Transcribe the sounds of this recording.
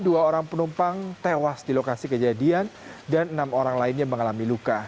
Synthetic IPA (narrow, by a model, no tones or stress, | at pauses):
duaoɾaŋpənumpaŋt̪ewasdilokasikəd͡ʒadiandanənamoɾaŋlaɪnɲaməŋalamiluka